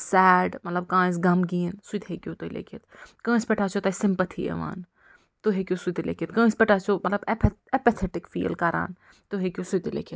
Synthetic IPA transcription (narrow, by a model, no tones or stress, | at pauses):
sɛːɖmɐt̪lɐb̚kãːsɡɐmɡiːnsut̪ɦekʲjot̪olḛkʰit̪kɐ̃ːspɛʈʰaːt͡ʃʰot̪ɐsɪ̃mpɐt̪ʰḭḛʋa̰ːn | t̪oɦekʲjosut̪ilḛːkʰit̪kɐ̃ːspɛʈʰaːt͡ʃʰomɐt̪lɐbepepet̪ʰɛʈɪkfḭːlkɐɾa̰ːn | t̪oɦekʲiosut̪lḛːkʰit̪